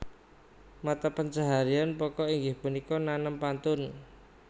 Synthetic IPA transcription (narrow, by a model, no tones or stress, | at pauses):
mat̪apənd͡ʒaɦaɾianpɔkɔiŋɡɪhpunikɔnanəmpant̪ʊn